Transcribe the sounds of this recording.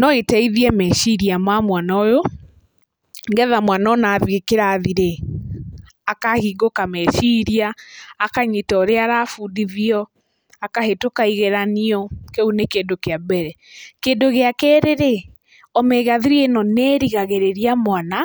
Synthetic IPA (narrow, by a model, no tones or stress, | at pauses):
nɔetɛiðiɛmɛʃiɾiamamwanaojo | ŋɡɛðamwanaɔnaːðjekeɾaðiɾe | akahiɡokamɛʃiɾiaːkaɲitɔːɾeaɾafuːdiðiɔ | akahetokaiɣeɾaniɔkeunekendokeabɛɾɛ | kendoɣeakɛːɾeɾe | ɔmɛɣaðiɾienɔnɛːɾiɣaɣeɾeɾiamwana